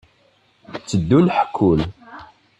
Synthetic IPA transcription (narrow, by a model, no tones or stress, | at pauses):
t͡sːəd̪ːulħkʰːʊl